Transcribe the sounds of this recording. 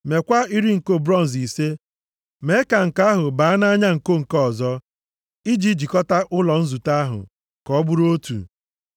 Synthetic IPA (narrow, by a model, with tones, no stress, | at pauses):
me˨kʷa˦i˦ɾi˦ŋ̩˨ko˦bɾɔ˦˨n̩˨zi˨se˦ | me˨˦ka˨ŋ̩˨ka˦ɦʊ˨ba˨a˦na˦ɲa˦ŋ̩˨ko˦ŋ̩˨kɔ˦˨zɔ˦ | i˦d͡ʒi˦d͡ʒi˨kɔ˦ta˦ʔʊ˦lɔ˨n̩˦zu˨ta˦a˦ɦʊ̰˨ | kɔ˨˦bʊ˦ɾo˦tṵ˨